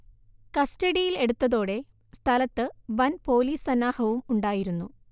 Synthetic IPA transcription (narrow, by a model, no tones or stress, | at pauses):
kɐstɐɽijile̞ɽut̪ːɐðo̞ːɽe̞ | st̪ʰɐlɐt̪ːɨʋɐnpo̞ːliːsɐnːaːhɐʋumuɳɖaːjiɾunːu